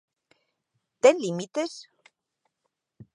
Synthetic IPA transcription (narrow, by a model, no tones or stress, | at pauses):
t̪enlimit̪ɪs